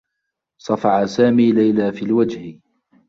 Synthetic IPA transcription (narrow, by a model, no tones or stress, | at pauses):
sˤɑfɑʕasaːmiːlajlaːfiːlwad͡ʒh